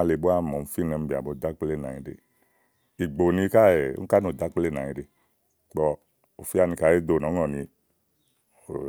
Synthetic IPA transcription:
a˧le˨bo˦a˦˨mɔ˨m̩˦fi˦nɛ˧m̩˦bi˨a̰˨bo˨˧˨d̪a˦k͡ple˦˨na˨i˧˦dḛ˨ | i˨ɡ͡bo˨nĩ˧˦ka˦ḛ˨˦ka˦no˨d̪a˨˦k͡ple˦˨na˨ɲi˨˦de˨ | k͡pɔ˧ | o˨fi˦a˦˨nĩ˧ka˨˦e˦do˨nɔ̃˨˦ŋɔ˨nĩ˧˨

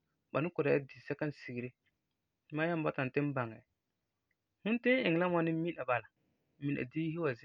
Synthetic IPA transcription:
ba˨nʊ˦kʊ˨ɾa˨ja˦di˨sɛ˦ka˦n˦˨si˨ɡi˨ɾe˦ | ma˦ja˦m˦ba˦ta˨n˨tɪ˦n˦ba˨ŋa˨ | hʊ̃˦n˦tɪ̃˦n˦ɪ˨ŋ˨la˦ma˦nɪ˦mi˦na˨ba˨la˨ | mi˨ʔa̰˨di˦hi˦wa˨zɪ˦

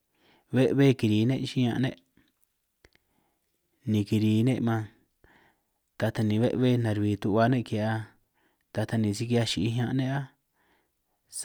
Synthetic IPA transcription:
βe˦ʔβe˦ki˧ɾi˨˦nḛ̃˦ʔʃi˦ɲã˧ʔnḛ̃˦ʔ | nĩ˧ki˧ɾi˨˦nḛ̃˦ʔmã˧ | t̪a˧t̪a˧nĩ˨˧βe˦ʔβe˦nã˨ɾβi˨t̪u˧βa˧nẽ˦ke˧˨a˧ | t̪a˧t̪a˧nĩ˨˧si˧˦ki˧a˧ʃi˧i˦ɦã˧ʔnẽ˦a˦ | s

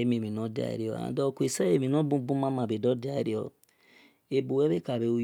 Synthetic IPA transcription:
e˦me˨mi˨nɔ˦di˦a̰˨ɾi˦ɔ̰˨a̰˨dɔ˦˨ku˦e˨sa˦e˨mi˨nɔ˦bu˦bu˦ma˦ma˨be˨dɔ˦di˦a˦ɾi˦ɔ˨ | e˨bu˨we˦be˦ka˨be˨˦u˦

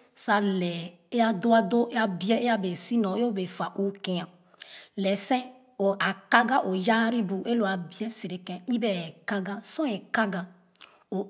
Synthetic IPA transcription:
sa˨lɛ˨ | e˦a˨do˦a˦do˦a˨bi˦ɛ˦e˦a˦be˨si˦nɔ̃˨e˦o˦be˨fa˨ʔu˦ke˨ã˨ | lɛ˨sɛ̃˦ | o˨a˨ka˦ɡa˦ʔo˨ja˦ɾi˦bu˨ʔe˦lo˨a˨bi˨˦ɛ˦si˨ɾe˨kɛ̃˨˦ĩ˦be˨ɛ˨ka˦ɡa˦sɔ̃˦ɛ˨ka˦ɡa˨ | o˨

